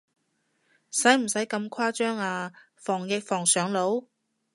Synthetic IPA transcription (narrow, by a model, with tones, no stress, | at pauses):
sɐ˨˥jm̩˨˩sɐ˨˥jkɐ˧mkʷʰwaː˥t͡ʃœː˥ŋaː˧ | fɔː˨˩ŋjɪ˨k̚fɔː˨˩ŋsœː˨˧ŋlo˨˥w